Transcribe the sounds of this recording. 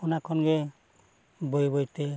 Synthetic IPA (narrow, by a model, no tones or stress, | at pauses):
ɔnakʰːɔnɡɛ | bojbojte